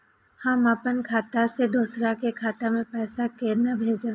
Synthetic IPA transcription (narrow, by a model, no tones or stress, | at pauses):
hãmapənkʰaːt̪ased̪osɾakekʰaːt̪amẽpɛːsakeːɾnabʱeːd͡ʒə̃